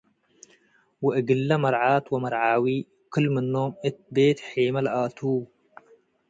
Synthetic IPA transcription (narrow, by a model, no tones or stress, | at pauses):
wɐʔɨɡɨlːɐmɐɾʕaːt̪wɐmɐɾʕaːwi | kʰɨlmɨnːomɨt̪̚beːt̪ħeːmɐlʔaːt̪ʰu